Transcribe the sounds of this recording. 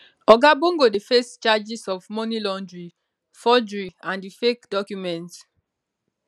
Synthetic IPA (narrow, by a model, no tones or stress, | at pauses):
ɔɡabõŋɡodefɛstt͡ʃad͡ʒisɔvmɔnilɔ̃ndɹi | fɔd͡ʒɹiãndifekdɔkjumɛ̃nt